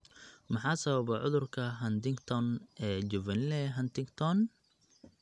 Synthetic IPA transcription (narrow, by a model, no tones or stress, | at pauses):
mɑħɑːsɐβɐβɛʕʊðʊrkʰɐɦɐnt̪ɪŋɡt̪ʰɔnʔɛːd͡ʒʊvɐnlɛːɦɐnt̪ɪŋɡt̪ʰɔn